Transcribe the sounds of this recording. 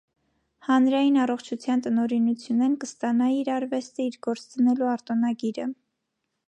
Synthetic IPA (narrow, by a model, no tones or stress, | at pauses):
hɑnɾɑjinɑrɔχt͡ʃʰut͡sʰjɑnt̪ənɔɾinut͡sʰjunɛnkəst̪ɑnɑiɾɑɾvɛst̪əiɾɡɔɾt͡st͡s̪ənɛluɑɾt̪ɔnɑɡiɾə